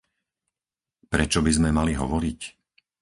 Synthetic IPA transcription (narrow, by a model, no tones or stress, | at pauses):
pɾɛt͡ʃɔbizmɛmaliɦɔ̰ʋɔɾic